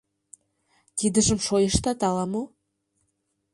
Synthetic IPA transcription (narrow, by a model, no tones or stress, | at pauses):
t̪id̪ə̆ʒə̆mʃojə̆ʃt̪ɑt̪ɑlɑmo